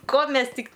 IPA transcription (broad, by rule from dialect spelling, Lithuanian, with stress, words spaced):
ˈkoː ˈmʲɛs ˈtʲɪk